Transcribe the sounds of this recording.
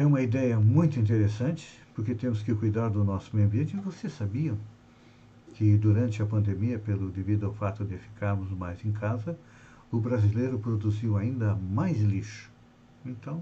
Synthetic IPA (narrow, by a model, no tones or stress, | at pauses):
ɛũmɐid̪ɛjɐmũj̃t̪ʊĩnt̪̬eɾesɐ̃nt͡ʃɪ̥ | poɾket̪ẽmʊskɪkujd̪aɾd̪ʊnɔsʊ̥meɐ̃mbiẽnt͡ʃɪɪvosesabiɐ̃ | kɪd̪uɾɐ̃nt͡ʃ̪ɪɐpɐ̃nd̪emiɐpelʊd̪evid̪ʊɐwfat̪ʊd̪ɪfi̥kʰaɾmʊzmajzẽkʰazɐ | ʊbɾazilejɾʊpɾod̪uziwaĩnd̪ɐmajzliʃʊ̥ | ẽnt̪ɐ̃w̃